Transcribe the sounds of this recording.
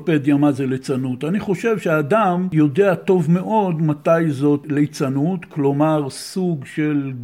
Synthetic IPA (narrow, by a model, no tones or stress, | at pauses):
ped̪jamazelet͡sanut̪aniχo̞ʃe̞vʃeaːdamjo̞de̞ato̞vme̞ʔo̞d̪mat̪ajzo̞tlet͡sanutklo̞maʁsuɡʃel